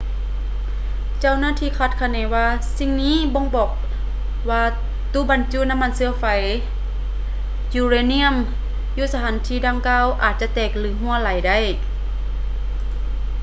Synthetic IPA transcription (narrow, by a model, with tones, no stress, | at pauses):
t͡ɕa˧˨wnaː˧˥˨t̪ʰiː˧˨kʰaː˧˩t̪̚kʰa˧˩nɛː˨˦waː˧si˧˨ŋniː˧˥˨bo˧˥˨ŋbɔː˨˩k̚ | waː˧ | t̪uː˧˥˨ba˨˦nt͡ɕuː˧˨na˧˥˨mːa˧˥˨nsɯ˧ɐfa˨˦j | juː˧ɾeː˧˨ni˧˥˨ə˨m | juː˧˨sa˧tʰaː˨˦nt̪ʰiː˧˨daː˧˨ŋkaː˧˥˨wʔaː˨t̪̚t͡ɕa˧˦t̪ɛː˨˩k̚lɯː˨˦ɦu˧˨əla˨˦jda˧˩˨j